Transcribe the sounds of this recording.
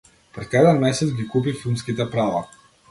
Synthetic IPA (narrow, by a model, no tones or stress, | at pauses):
pɾɛt̪kad̪ɛnmɛsɛt̪sɡʲikup̬ifilˠmskit̪ɛpɾava